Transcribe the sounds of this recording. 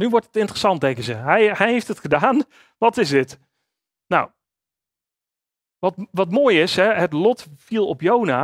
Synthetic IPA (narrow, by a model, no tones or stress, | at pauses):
nyʋɔɹtətɪntərəsɑnt̚dɛŋkəzəɦɛjhɛjɦejftətχədaːn | ʋɑtɪsdɪt | naw | ʋɑtʋɑtmoːjɪsɦɛɦətlɔtfilˠɔpjowna